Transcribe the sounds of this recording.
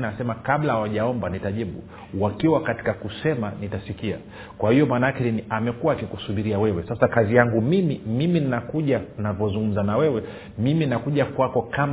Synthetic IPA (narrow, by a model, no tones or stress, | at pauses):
nasɛmakablahawaʄaɔmbanitaʄiɓu | wakiwakati̥kakusɛmanitasikia̰ | kwahijɔmaːnaakɛnamɛkuwaːkikusuɓiɾiawɛwɛsasakazijaŋɡumimimimininakuʄannavɔzuŋɡum̩zanawɛwɛ | miminnakuʄakwakɔkam